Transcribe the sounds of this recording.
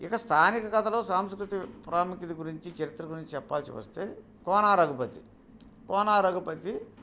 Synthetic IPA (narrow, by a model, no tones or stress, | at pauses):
ɪkɐst̪ʰaːnikɐɡɐt̪ʰɐlo̞ːsaːmskɾut̪ipɾaːmikit̪iɡuɾiɲt͡ʃit͡ʃɐɾit̪ːɾɐɡuɾiɲt͡ʃit͡ʃɛpːaːlsḭʋɐ̰st̪e̞ː | kɔːnaːɾɐɡupɐt̪i | kɔːnaːɾɐɡupɐt̪i